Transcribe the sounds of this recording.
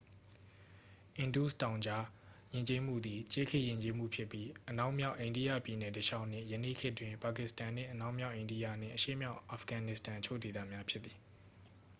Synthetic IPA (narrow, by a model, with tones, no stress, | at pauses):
ʔɪ̃˨ndu˦˨stã˨ʊ̃ɲd͡ʑa˦jɪ̃˨ɲt͡ɕe˦m̥ṵ˦˨d̪ði˨t͡ɕe˦kʰɪ˦˨ʔjɪ̃˨ɲt͡ɕe˦m̥ṵ˦˨pʰjɪ˦pːji˦ʔəna˦ʊʔmja˦ʊʔẽ˨ɪ̃ndi˦jä̰˦˨pji˨nɛ˨təʃa˦ʊʔn̥ɪ̰̃˦˨jənḛ˦˨kʰɪ˦ʔtwɪ̃˨mpa˨kɪ˨stã˨n̥ɪ̰̃˦˨ʔəna˦ʊʔmja˦ʊʔẽ˨ɪ̃ndi˦ja̰˦˨n̥ɪ̰̃˦˨ʔəʃḛ˦˨mja˦ʊʔʔa˨fɡ̥ã˨nɪ˦˨stã˨ʔət͡ɕʰo̰˦˨de˨t̪ä̰˦˨mja˦pʰjɪ˦t̪t̪ːi̥˨